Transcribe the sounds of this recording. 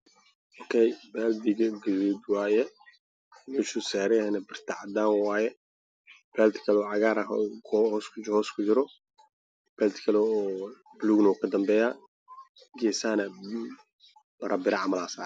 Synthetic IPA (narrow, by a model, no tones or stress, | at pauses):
ʔɔːkʰɛjbɛːld̪ɪɡɐɡɛwud̪waːjɛ | mɛːʃʊsaːɾɛhɛnɐbɪrt̪ʰaʕɑd̪aːŋwaːjɛ | b̥ɛːlt̪kʰɐlɔːʕɑɣaːɾɐɦʰhɔːskʰʊhɔːskʰʊd͡ʒɪɾɔ | b̥ɛːlt̪kʰɐlɛɔː | bluːɡnɐukʰɐd̪ɐmbɛːjaː | ɡɛːsaːnɐ | bɐɾɐbɪɾaʕɑmɐlaːsaːɾ